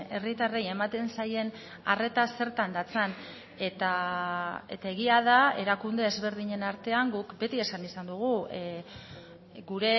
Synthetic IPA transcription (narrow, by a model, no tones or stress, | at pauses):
e̞rit̪areje̞mat̪e̞nsaje̞n | are̞t̪ase̞ɾt̪and̪at͡san | e̞t̪a | e̞t̪ae̞ɣ̞iað̞ae̞ɾakund̪e̞ːzβe̞ɾðiɲe̞naɾt̪e̞aŋɡukbe̞t̪ie̞sanisand̪uɣ̞u | ɡuɾe̞